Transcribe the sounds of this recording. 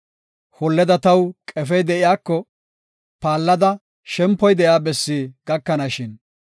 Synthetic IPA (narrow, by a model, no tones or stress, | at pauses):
hɔlːɛd̪ɐt̪ɐwkʼɛf̬ɛjd̪ɛʔɪjaːkːɔ | paːlːɐd̪ɐ | ʃɛmpːɔjd̪ɛʔjaːbɛsːiːɡ̥ɐkːɐnaʃɪn